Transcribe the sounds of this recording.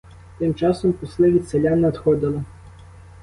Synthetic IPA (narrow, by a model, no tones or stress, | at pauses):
t̪ɪmt͡ʃɑsɔmpʊslˠɪʋʲit̪ʲselʲanɛɐt̪xɔd̪ɪlˠɐ